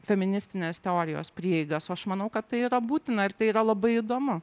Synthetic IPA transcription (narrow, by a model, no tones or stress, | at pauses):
fʲɛmʲɪnʲɪsʲt̪ʲɪnʲeːst̪ʲɛoːɾʲɪjo̰ːspʲɾʲiɛɛɪɡɐsɐʃmɐnɐʊkɐt̪t̪ːɐɪiːɾɐbuːt̪ʲɪnɐɪɾt̪ɐɪiːɾɐlˠɐbɐɪid̪oːmʊ